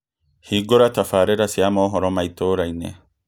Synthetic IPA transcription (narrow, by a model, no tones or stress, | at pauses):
hiːɡːɔɾɐt̪ɐfaːɾɛɾɐsɪjamoːɦɔɾɔmɐjt̪ːoːɾɐjnːḛ